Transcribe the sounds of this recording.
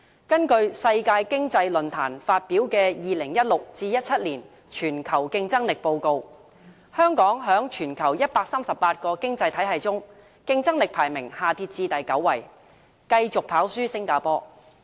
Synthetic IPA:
kɐ˥nkɵ˧ɥsɐ˧jkaː˧jkɪ˥ŋt͡sɐ˧jlɵ˨nt̪ʰa̰ː˨˩nfaː˧t̚piː˨˥wkɛː˧jiː˨lɪ˨˩ŋjɐ˥t̚lʊ˨k̚t͡siː˧jɐ˥t̚t͡sʰɐ˥t̚liː˨˩n | t͡ʃʰyː˨˩nkʰɐ˨˩wkɪ˧ŋt͡sɐ˥ŋlɪ˨k̚po˧wko˧w | hœː˥ŋkɔː˨˥ŋɦœː˨˥ŋt͡ʃʰyː˨˩nkʰɐ˨˩wjɐ˥t̚paː˧k̚saː˥msɐ˨pːaː˧t̚kɔː˧kɪ˥ŋt͡sɐ˧jt̪ʰɐ˨˥jɦɐ˨jt͡sʊ˥ŋ | kɪ˧ŋt͡sɐ˥ŋlɪ˨k̚pʰaː˨˩jmɪ˨˩ŋhaː˨˩t̪ʰiː˧t̚t͡siː˧t̪ɐ˨jkɐ˨˥wːɐ˨˩j | kɐ˧jt͡sʊ˨k̚pʰaː˨˥wsyː˥sɪ˥ŋkaː˧pɔː˥

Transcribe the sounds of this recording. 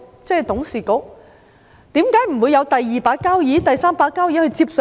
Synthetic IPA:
t͡sɛː˥˩t̪ʊ˨˥ŋsiː˨˩kʊ˨˥k̚ | t̪iː˨˥mkaː˨˥jm̩˨˩wuː˨˧jɐ˨˧wt̪ɐ˨jːiː˨˩paː˧˥t̚kːaː˥wjiː˨˥t̪ɐ˨jsaː˥mpaː˧kːaː˥wjiː˨˥hɵ˧ɥt͡siː˧˥p̚s

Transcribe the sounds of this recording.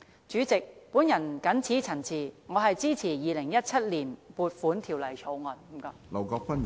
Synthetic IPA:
t͡ʃyː˨˥t͡sɪ˨k̚puː˨˥njɐ˨˩nkɐ˨˥nt͡sʰiː˨˥t͡sʰɐ˨˩nt͡sʰiː˨˩ŋɔː˨˧ɦɐ˨jt͡siː˥t͡sʰiː˨˩jiː˨˧lɪ˨˩ŋjɐ˥t̚t͡sʰɐ˥t̚liː˨˩npuː˨t̚fuː˨˥nt̪ʰiː˨˩wlɐ˨˩jt͡ʃʰo˨˧wŋɔː˨˩n˨˦mka˨˧lɐ˨˩wkɔː˧k̚fɐ˥n

